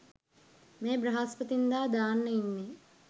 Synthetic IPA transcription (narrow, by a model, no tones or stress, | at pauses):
meːbrɐɦaspət̪ind̪aːd̪aːnːəinːe